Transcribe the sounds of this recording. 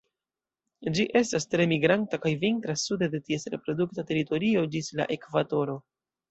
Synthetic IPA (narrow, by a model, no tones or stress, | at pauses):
d͡ʒiʔe̞stastɾe̞miɡɾantakajviŋkɾasudade̞tie̞sɾe̞pɾo̞duk̚tate̞ɾito̞ɾio̞d͡ʒisla̰ʔe̞kvado̞ɾo̞